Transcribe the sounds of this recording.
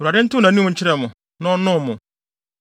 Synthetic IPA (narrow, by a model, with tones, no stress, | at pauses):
a˨dɪ̃˦n̩˦tʊ˦nã˨nũ˦mʊ̃˨ɲ̩˦t͡ɕʰɪ˦ɾɛ˦˨mʊ̃˨ | nã˦nʊ̃˦˨mʊ̃˨